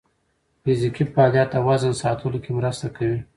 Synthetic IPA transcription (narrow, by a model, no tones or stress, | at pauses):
fɪzikifɑːljɑt̪ːawazənsɑt̪ʰəlokemɾəst̪akawi